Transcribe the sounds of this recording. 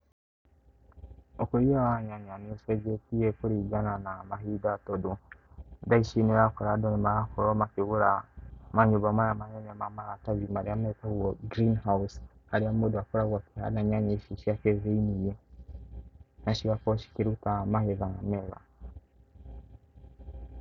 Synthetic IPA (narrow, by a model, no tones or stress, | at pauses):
okuɾiawaɲaɲanioseɡetiekuɾiɡananamaɦidatodo | daiʃineɾakoɾadonimajakoɾomakiɣuɾamaɲuβamajamaɲeɲamamaɾataβimaɾiamekaoɡɾinɦausaɾiamodoakuɾaɣwakiha̰ɾnaɲaɲeʃiʃiakezeinije | naʃiβakoʃi̥kiɾutamaheðaameβ̰a